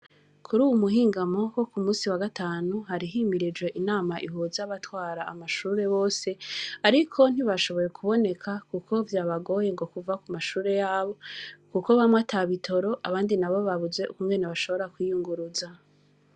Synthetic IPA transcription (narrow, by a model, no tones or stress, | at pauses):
kʰuɾuːwumuɦiːŋɡamo̞ko̞kumuːsiwaɡataːnuhaɾiɦimiɾid͡ʒwe̞ʔinaːmaʔiɦuzaβatwaːɾaːmaʃuːɾe̞βo̞ːse̞aɾikʰo̞n̥iβaʃo̞βo̞je̞kʰuβo̞ne̞kʰakukʰo̞vjaːβaɡo̞je̞ŋɡo̞kuvakumaʃuːɾe̞jaːβo̞kuko̞βamwatʰaβitʰo̞ɾo̞ʔaβaːndinaβo̞βaβuze̞ṵkuŋɡe̞ne̞βaʃo̞βo̞ɾakwijuŋɡuɾuza